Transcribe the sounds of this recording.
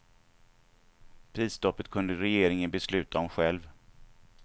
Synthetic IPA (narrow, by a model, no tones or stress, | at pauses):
pʰɾiːsd̪ɔpːət̪̚kʰɵnd̪əɾɛjeːɾɪŋənbɛslʉ̟ːt̪ʰaɔmɧɛlv